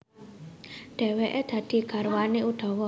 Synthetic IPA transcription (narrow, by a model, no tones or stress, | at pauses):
ɖ̪̥ɛ̤weʔed̪̥ä̤d̪̥i̤ɡ̥a̤rwaneud̪̥ɔ̤wɔ